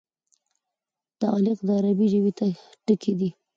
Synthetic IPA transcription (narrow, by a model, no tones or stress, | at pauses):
d̪̥əɑlɪqd̪əaɾabiʒəwit̪aʈəkʰed̪i